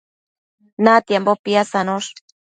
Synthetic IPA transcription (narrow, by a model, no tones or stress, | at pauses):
nat̪jambopiasanoʂ